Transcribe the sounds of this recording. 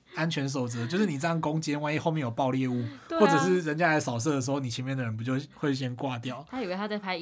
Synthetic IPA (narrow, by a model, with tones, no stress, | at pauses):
a˥˦nt͡ɕʰɥɛ˧˦ns̬o˨˩ʊt͡sɤ˨˦t͡ɕjʊʂɻ̩˥˩n˨˩t͡sə˥˧˩jɑ˥˩ko˥˦ŋt͡ɕjɛ˥nwa˥˧ni˥˧xo˥˧mjɛ˥˧˩jo˨˩ʊpɑ˥˧ʊljɛ˥˧u˥˧wwʈ͡ʂɤ˨˩ʂɻ̩˥˩ɻə˧˦nt͡ɕja˥la˧˥ɪsɑ˨ʊs̬ɤ˥˧˩d̪ə˩ʂ̬̩˧˥xo˥˩ni˨˩t͡ɕʰjɛ˧˦mɛ˥˩d̪ə˩ɻə˧˦npu˧t͡ɕjo˥˧ʊxwe˥˩ɪɕ̬jɛ˥nkwa˥˧t̪jɑ˥˨ʊa˥i˨we˥˧t̪ʰa˥a˥˩ɪpʰa˧˦